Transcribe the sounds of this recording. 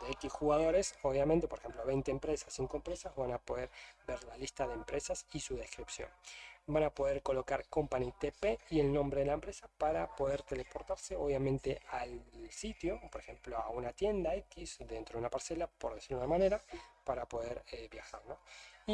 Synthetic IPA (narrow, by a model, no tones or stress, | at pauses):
d̪̥eekisxuɣaðo̞ɾe̞so̞β̞jament̪epoɾexe̞mploβejnt̪eːmpɾesasːiŋkoempɾesazβanapo̞ðeɾbeɾlalist̪aðeːmpɾesasisuðe̞skɾipsjo̰nbanapo̞ðeɾko̞lo̞kaɾko̞mpanit̪epeie̞lno̞mbɾe̞ðelaempɾesapaɾapo̞ðeɾt̪elepo̞ɾt̪aɾse̞oβjamẽnt̪ealsit̪jo̞po̞ɾexe̞mploaunat̪je̞nd̪aekizd̪ent̪ɾounapaɾse̞lapo̞ɾðesiɾunamaneɾapaɾapo̞ðeɾebjaxaɾnoi